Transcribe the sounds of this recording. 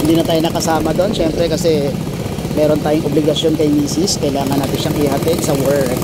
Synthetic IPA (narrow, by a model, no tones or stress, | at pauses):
hɪnd̪iːnɐt̪aːjonɐkɐsaːmɐd̪o̞nʃɛmpɾɛkɐsɛ | mɛːɾont̪aːjoŋʔoblɪɡɐʃjo̞nkɐjmiːsɪskɐjlaːŋɐnaːt̪ɪnʃaŋɪɦɐt̪ɛɡ̪sɐwɛɹk